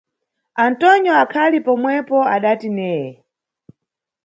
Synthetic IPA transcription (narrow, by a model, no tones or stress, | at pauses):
antɔnjɔakʰalipɔmwɛpɔaɗatinɛːjɛ